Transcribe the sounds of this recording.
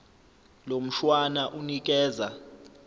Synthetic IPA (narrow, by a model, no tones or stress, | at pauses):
lom̩ʃwanaʔunik̬ɛːza